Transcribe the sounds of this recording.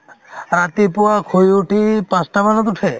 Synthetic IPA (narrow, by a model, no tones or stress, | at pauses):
ɾat̪ipuakʰojuʈipasʈabanɔt̪uʈʰe